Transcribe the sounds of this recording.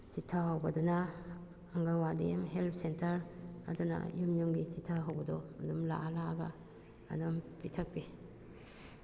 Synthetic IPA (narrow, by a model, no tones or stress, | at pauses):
t͡ʃitʰːaɦawbɐdɔna | ɐŋɡaɾwadiamɦelpʰsentɐɾɐ̰duna̰jumjumɡisitʰːaɦawbɐdɔɐdumla̰ʔalaɡa̰ː | dumpitʰɐk̚pi